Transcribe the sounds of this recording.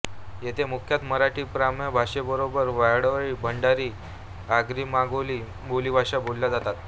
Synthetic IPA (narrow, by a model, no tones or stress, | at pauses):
jet̪ʰemukʰjat̪məɾaʈiːpɾamjəbʱaʂebəɾobəɾʋajɽʋɭiːbʱəɳɖaɾiː | aɡɾiːmaɡoli | boliːbʱaʂabolːjad͡zat̪at̪